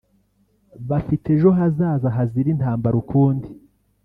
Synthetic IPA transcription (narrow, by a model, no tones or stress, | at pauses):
βafite̞ʒo̞ɦazaːzaɦaziɾinhaːmbaɾukʰuːndi